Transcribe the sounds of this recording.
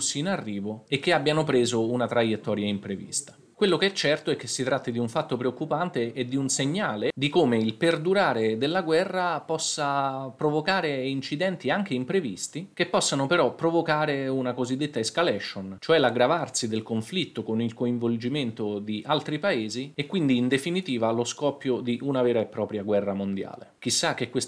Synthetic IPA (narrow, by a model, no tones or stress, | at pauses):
sːiːnarːiːvoek̟ːeabːjanopɾeːzounat̪ɾajet̪ːɔːɾjaimpɾevḭst̪ḁ | kwelːokeɛt͡ʃːɛrt̪oɛk̟ːesːit̪ɾat̪ːid̪iuɱfat̪ːopɾeokːupant̪eːd̪iunseɲːaːled̪ikomeilperd̪uɾaːɾed̪elːaɡwɛrːapɔsːapɾovokaːɾeint͡ʃid̪ɛnt̪iaŋk̟eimpɾevist̪ik̟epːɔsːanopeɾɔpːɾovokaːɾeunakozid̪ːet̪ːaeskalɛʃont͡ʃoɛlaɡɾavarsid̪elkoɱflit̪ːokonilkoiɱvold͡ʒiment̪od̪iʔalt̪ɾipaeːziekːwind̪iːnd̪efinit̪iːvaloskɔpːjod̪iʔunavɛːɾaepːɾɔːpɾjaɡwɛrːamond̪ja̰ːlḛk̟isːak̟ːekwes